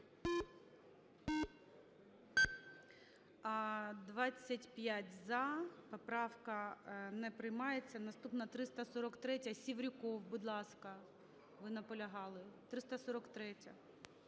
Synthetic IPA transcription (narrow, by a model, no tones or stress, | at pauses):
ɐd̪ʋɑt͡sʲːɐtʲpʲjatʲzɐpɔpɾɑwkɐnɛpɾɪjmɑjet͡sʲːɐnɐst̪upnɐt̪ɾɪst̪ɐsɔɾɔkt̪ɾɛtʲɐsʲiwɾʲʊkɔwbud̪lˠɑskɐ | ʋɪnɐpɔlʲɐɦɑlˠɪt̪ɾɪst̪ɐsɔɾɔkt̪ɾɛtʲɐ